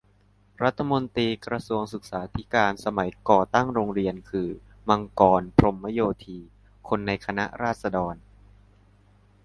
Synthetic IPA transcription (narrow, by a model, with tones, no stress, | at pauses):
ɾa˦˥t̪ʰːa˧mo˧nt̪iː˧kɾa˧su˧əŋsɯ˨˩k̚saː˩˦t̪ʰi˦˥kaː˧nsa˧ma˩˦jkɔː˨˩t̪a˥˩ŋɾoː˧ŋɾi˧ənkʰɯː˧ | ma˧ŋkɔː˧npʰɾo˧mːa˦˥joː˧t̪ʰiː˧ | kʰo˧nːa˧jkʰa˧na̰˦˥ʔɾaː˥˩t̪̚sa˧dɔː˧n